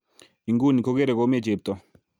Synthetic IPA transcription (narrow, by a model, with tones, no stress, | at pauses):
i˨ŋɡu˦ni˨ko˦ɡe˦ɾe˨ko˨˦me˦˨t͡ʃe˨p̚t̪ɔ˦